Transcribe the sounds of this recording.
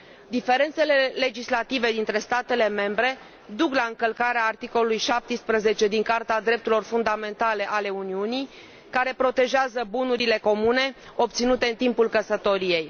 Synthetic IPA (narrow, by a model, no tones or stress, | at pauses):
d̪ife̞ɾe̞nt̪se̞le̞le̞d͡ʒislat̪ive̞d̪int̪ɾe̞st̪at̪e̞le̞me̞mbɾe̞ | d̪uklaɨŋkəlkaɾeaːrt̪iko̞lulujʃap̚t̪ispɾəze̞t͡ʃe̞d̪iŋkart̪ead̪ɾe̞p̚t̪uɾilorfund̪ame̞nt̪ale̞ʔale̞uniunij | kaɾe̞pɾo̞t̪e̞ʒeazəbunuɾile̞ko̞mune̞ | o̞pt̪sinut̪e̞ɨnt̪impulkəsət̪o̞ɾije̞j